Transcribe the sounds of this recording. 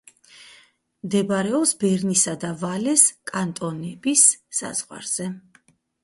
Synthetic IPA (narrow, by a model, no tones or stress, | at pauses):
md̪ɛbaɾɛɔpsbɛɾnisad̪avalɛskʼant̪ʼɔnɛbisːa̰z̥ʁwa̰ɾz̥ɛ